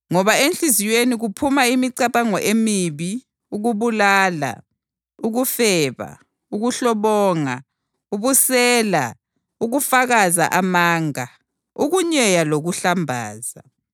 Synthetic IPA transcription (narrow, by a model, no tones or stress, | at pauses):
ŋɔβaenɬizijweniɣupʰumaimiǀaβaŋɔʔemiβi | uɣuβulaːla̰ | uɣufɛːβa̰ | uɣuɬɔβɔːŋa | uβusɛːla | uɣufaɣaza̰ʔamaːŋa | uɣuɲɛjaloɣuɬambʱaːza